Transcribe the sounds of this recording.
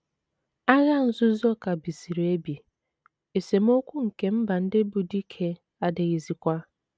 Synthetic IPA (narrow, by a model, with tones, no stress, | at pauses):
a˦ɣa˦n̩˨zʊ˦zɔ˦ka˨bi˨si˨ɾe˦bi˨ | e˨se˨m̩˦o˦kʷu˦ŋ̩˨ke˦m̩˦ba˨n̩˦dɪ˦bu˨di˦kʰe˦ | a˦de˨ɣi˨zi˦kʷa˦